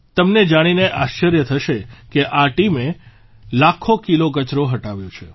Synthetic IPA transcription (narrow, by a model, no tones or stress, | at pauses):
t̪əmned͡ʒaɽ̃ineʔaʃəɾjət̪ʰəʃekeʔaʈime | lakʰːokilokət͡ʃɾoɦəʈaʋjõt͡ʃʰe